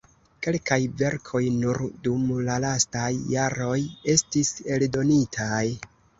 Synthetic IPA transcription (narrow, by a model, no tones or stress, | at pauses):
ke̞lkajve̞ɾkʰo̞jnuɾdumlalastajːaɾo̞je̞stise̞ldo̞nitʰaj